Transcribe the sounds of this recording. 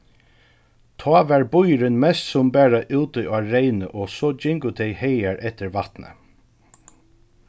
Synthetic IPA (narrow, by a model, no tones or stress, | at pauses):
t̪ʰɑːʋæɹbʊjɾɪnmɛst̪sʊmbæːɹaʔʉːt̪ʊjʔɑːɹeɪnə̰ʔɔsɔːd͡ʒɪŋkʊt̪ʰɛjhejæɹʔɛht̪ɪɹʋat̪nə̰